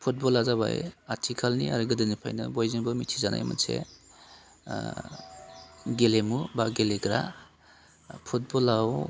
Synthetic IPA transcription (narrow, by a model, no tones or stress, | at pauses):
pʰut̚bɔlazaβa̰jatʰikʰalnia̰ɾɯɡɯdɯnipʰa̰jnɯ̰bɔjzibɯmitʰizana̰jmɯ̰nsḛ | ɡelemubaɡeleɡɾa̰ | pʰut̚bɔlaw